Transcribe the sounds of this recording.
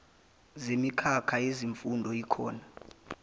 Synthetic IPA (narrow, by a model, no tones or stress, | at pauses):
zemikʰakʰaeziɱfundʱɔikʰɔːna